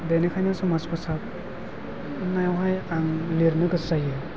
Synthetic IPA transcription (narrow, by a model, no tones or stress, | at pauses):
denekʰajnasɔmaskʰɔsap̚ | najawɦajaŋliɾnɯɡɯsajɯ